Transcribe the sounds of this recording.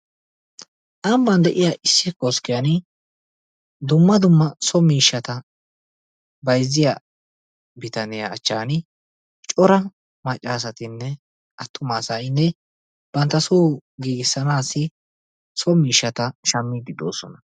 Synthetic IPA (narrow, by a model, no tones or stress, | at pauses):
ʔɐmbɐnd̪ɛʔɪjaʔɪsːɪkoskɪjɐn | d̪ʊmːɐd̪ʊmːɐsɔmiːʃːɐt̪ɐ | bɐjzɪja | bɪt̪ɐnɪjɐːt͡ʃːaːnɪ | t͡ʃʼɔɾɐ | mɐt͡ʃʼːaːs̬ɐt̪ɪnːɛ | ʔɐt̪ʰːʊmaːsaːɪnːɛ | b̥ɐnt̪ːɐsoːɡiːɡɪsːɐnaːsːɪ | sɔmiːʃːɐt̪ɐʃɐmːɪɡɪd̪o̰ːsɔ̰nɐ